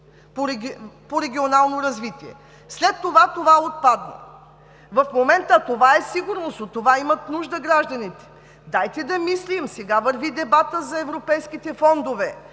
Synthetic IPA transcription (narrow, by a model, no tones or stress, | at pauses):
poɾɛpoɾɛɡ̟ʲionalˠnoɾɐzvit̪iɛ̰ | slɛt̪ːovat̪ovaot̪̚pad̪nə̰ | vɐfmomɛnt̪ət̪ovaɛsiɡʊɾnosot̪ːovaimɐt̪nuʒd̪əɡɾaʒd̪ɐnit̪ɛ̥ | d̪ajt̪ɛd̪ɐmislimsɛɡavɐɾvid̪ɛbat̪əzɐɛvɾopɛjskit̪ɛfɔnd̪ovɛ